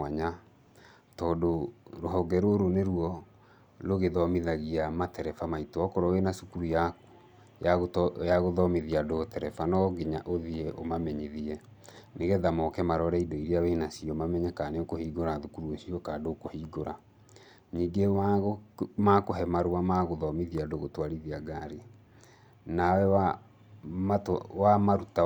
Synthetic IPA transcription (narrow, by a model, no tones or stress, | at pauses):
aɲa | tɔːdoɾoɦɔɡɛɾoɾoneɾuɔ | loɣeðɔmiðaɣiamatɛɾɛfamaitoɔkɔɾɔwenasu̥kuɾujaku̥ | jaɣjaɣoðɔmeðiadotɛɾɛfanɔɡeɲaʔoðieʔo̰mamɛɲiðiɛ | neɣɛðamɔkɛmaɾɔɾɛidoiɾeawenasiɔmamɛɲɛkaneokohiːɡoɾaðukuɾuosiɔkaːdokohiɡoɾa | ɲiːɡe | makoɦɛmaɾoamaɣoðɔmiðiadoɣotwaɾiðiaɡaɾe | nawɛ | matwamaɾuta